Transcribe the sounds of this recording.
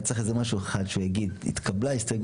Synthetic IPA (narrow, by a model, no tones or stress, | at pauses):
t͡seχezemaʃueχad̪ʃujaɡid̪ḭt̪kʰablaistoɡ